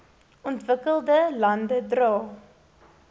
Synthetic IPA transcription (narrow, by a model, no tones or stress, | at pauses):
ʔɔntvəkəlˠdəlɐndədrɑː